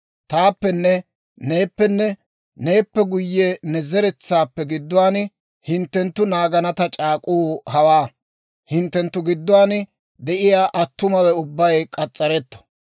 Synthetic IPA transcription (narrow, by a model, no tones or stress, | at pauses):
t̪aːpːɛnːɛ | ne̞ːpːɛnːɛ | ne̞ːpːɛɡʊjːɛnɛzɛɾɛt͡sːaːpːɛɡɪd̪ːʊwaːnɪ | hɪnt̪ːɛnt̪ːʊnaːɡɐnɐt̪ɐt͡ʃʼaːkʼuːhɐwaː | hɪnt̪ːɛnt̪ːʊɡɪd̪ːʊwaːn | d̪ɛʔɪjaːʔɐt̪ːʊmɐwɛʊbːɐjkʼɐt͡sʼːɐɾɛt̪ːɔ̥